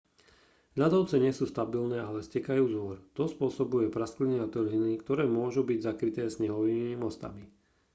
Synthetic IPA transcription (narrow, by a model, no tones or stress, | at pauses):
ʎad̪ɔʊt͡sɛɲɪɛsuːst̪abilnɛːalɛscɛkajuːzʋɔɾt̪ɔspʊɔsɔbujɛpɾast̪kliniat̪ɔrɦinikt̪ɔɾɛːmʊɔʒubiɟzakɾit̪ɛːsɲɛɦɔʋiːmmimɔst̪a̰mi